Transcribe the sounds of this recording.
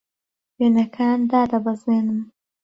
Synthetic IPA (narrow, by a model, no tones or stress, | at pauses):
benakʰaːnd̪ɑːd̪abazenəm